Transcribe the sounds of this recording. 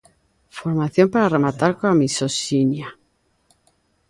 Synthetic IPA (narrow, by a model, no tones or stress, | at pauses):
foɾmaθjo̞mpaɾaremat̪aɾkoamisosinja